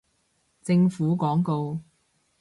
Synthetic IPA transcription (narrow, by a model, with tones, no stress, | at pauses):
t͡sɪ˧ŋfuː˨˥kɔː˨˥ŋko˧w